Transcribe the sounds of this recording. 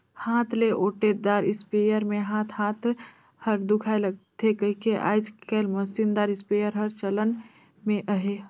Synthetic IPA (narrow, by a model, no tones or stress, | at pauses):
hãt̪ʰleʔoʈed̪aɾɪspejəɾmeɦãt̪ʰhãt̪ʰ | həɾd̪ukʰajləɡ̚t̪ʰekəɦikeʔa̰jd͡ʒkelməsind̪aɾispejəɾɦəɾt͡ʃələn | meʔəɦe